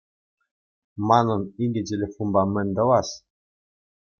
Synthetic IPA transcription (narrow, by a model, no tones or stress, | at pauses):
mɑnɤ̆niɡʲɘ̆t̬ʲelʲefonbɑmɘ̆nʲd̪ɤ̆wɑs